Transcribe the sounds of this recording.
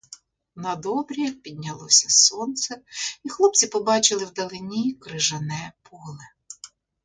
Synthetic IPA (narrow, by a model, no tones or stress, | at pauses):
nɐd̪ɔbɾʲipʲid̪̚ʲnʲɐlˠɔsʲɐsɔnt̪sɛixlˠɔp̚t͡sʲipɔbɑt͡ʃɪlˠɪwd̪ɐlˠɪnʲikɾɪʒɐnɛpʰɔlˠɪ